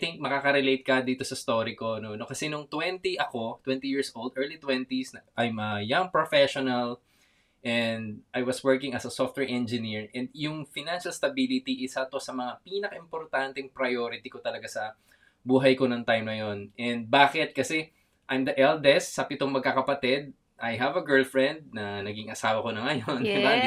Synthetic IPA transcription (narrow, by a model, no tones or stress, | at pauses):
t̪ɪŋk̚mɐkaːkɐɾɛlejt̪̚kɐd̪iːt̪o̞sɐst̪oɾiko̞nonokɐsɛnʊŋt̪wɛnt̪iʔɐko̞t̪wɛ̃nt̪ijiɹsʔold̪ʔɛɹlit̪wɛnt̪isnɐʔɐjmɐjaŋpɹofɛʃonɐl | ʔɛnd̪̚ʔajwɐswɜɹkɪ̃ŋɐsɐsoft̪wɛɹʔɛnd͡ʒɪniɹʔɛ̃nd̪̚jʊŋfɪnanʃɐlst̪ɐbilɪt̪iʔɪsɐt̪osɐmɐŋapiːnɐkɐʔɪmpoɾt̪ant̪ɛŋpɾɐjoːɾɪt̪ikot̪ɐlɐɡasɐ | buːɦɐjkonɐŋt̪ajmnɐjonʔɛnd̪̚baːkɪt̪̚kɐsɛ | ʔajmd̪ɐʔɛld̪ɛst̪sɐpɪt̪oŋmɐɡ̚kakɐpɐt̪ɛd̪̚ | ʔɐjɦɐvɐɡɛɹlfɹɛ̃nd̪̚nɐnɐɡiŋʔɐsaːwɐkonɐŋɐjonɐka